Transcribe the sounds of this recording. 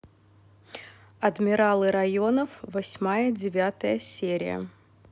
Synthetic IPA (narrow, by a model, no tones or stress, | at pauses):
ɐd̪mʲɪɾalˠɨɾɐjonəfvɐsʲmajəd͡zʲɪvʲat̪əjəsʲeɾʲɪ̰jə̰